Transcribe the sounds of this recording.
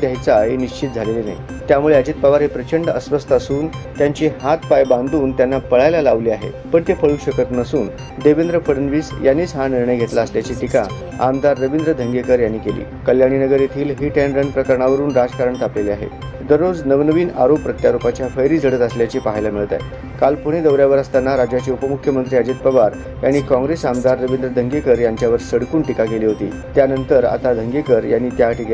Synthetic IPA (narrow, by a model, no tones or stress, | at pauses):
d̪jajt͡saɦeniɕt͡ɕit̪̚d͡zʱalelina̰ɦḭ | t̪jamuɭeəd͡ʑiːt̪̚paʋaɾɦepɾət͡ɕəɳɖəsʋəst̪əəsuːnt̪jaɲt͡ɕiːɦat̪pajbãnd̪uːnt̪janːapəɭajlalaʋliːaɦḛ | pəɳt̪epəɭuːɕəkət̪nəsuːn | d̪eʋend̪ɾəfəɽənʋiːsjanːiːt͡sɦaniɾɳəjɡʱet̪laəsljat͡ɕiʈika̰ | a̰md̪aɾːəʋind̪ɾəd̪ʱəŋɡekəɾjanːiːkelḭːkəljaɽ̃inəɡəɾjet̪ʰiːlɦiːʈenɾənpɾəkəɾəɳaʋəɾuːnɾad͡zkaɾəɳt̪apleliaɦḛ | d̪əɾːod͡znəʋnəʋiːnaɾoppɾət̪jaɾupat͡ɕjafəjɾiːd͡zʱəɽət̪əsljat͡ɕipaɦjlamiɭt̪a̰j | kalpuɽ̃ed̪əʋɾjaʋəɾəst̪anːaɾad͡ʑjat͡ɕiːupəmukʰːjəmənt̪ɾiːəd͡ʑet̪̚pəʋaɾ | janːiːkɔ̃ŋɡɾesamd̪aɾːəʋind̪ɾəd̪ʱəŋɡekəɾjaɲt͡ɕjaʋəɾsəɽkuːɳʈikakeliːɦot̪ḭː | t̪janənt̪əɾa̰t̪ad̪ʱəŋɡekəɾjanːiːt̪jaʈʰiɡe